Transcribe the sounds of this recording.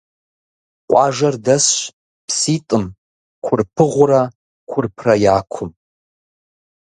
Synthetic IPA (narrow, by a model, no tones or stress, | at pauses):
qʷʼaʒardasʃ | pʰsitʼɨm | kʷʰʊrpʰɨʁʷʊra | kʷʰʊrpʰrajaːkʷʰʊm